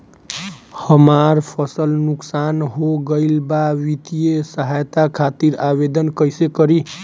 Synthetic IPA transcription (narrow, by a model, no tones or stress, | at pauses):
həmaɾpʰəsəlnuksanɦoɡəɪlbaʋit̪ijesəɦajt̪akʰat̪iɾabed̪ənkəjsekəɾi